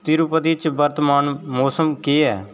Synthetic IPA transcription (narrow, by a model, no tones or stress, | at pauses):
t̪iːɾupət̪it͡ʃbəɾt̪maːnmoːsəmkeːɛː